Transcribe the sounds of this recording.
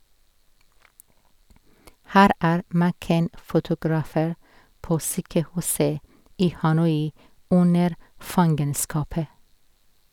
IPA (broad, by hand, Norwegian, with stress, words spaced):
ˈhæːɾ ˈæːɾ mæˈkɛn fʊtʊɡɾɑˈfeːɾ ˈpoː ˈsyːkəˌhʉːsə ˈiː hɑˈnɔʏ ˈʊnəɾ ˈfɑŋɡənskɑpə